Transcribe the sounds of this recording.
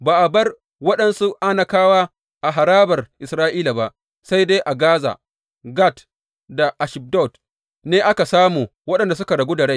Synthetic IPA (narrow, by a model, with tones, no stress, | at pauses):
baː˨ʔa˨bɐ˦r | wɐ˦ɗɐ˨nsu˦ʔa˦na˨kaː˦waː˦ | ʔa˨ɦa˨ɾaː˦bɐ˨rʔɪ˨sɾaː˦ʔiː˦la˨ba˦ʔ | sa˦jde˦jʔa˨ɡaː˦za̰ː˨ | ɡa˦˨t | da˨ʔa˨ʃɪ˨b̚dɔ˦˨t | neː˦ʔa˦ka˨saː˦muː˨wɐ˦ɗɐ˨nda˨s̬ʊ˦ka˨ɽɐ˨ɡʷuː˦da˨ɽa˦j